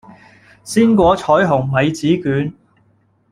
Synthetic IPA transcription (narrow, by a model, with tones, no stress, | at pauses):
siː˥nkʷɔː˨˧t͡ʃʰɔː˨˥jɦʊ˨˩ŋmɐ˨˧jt͡siː˨˥kyː˨˥n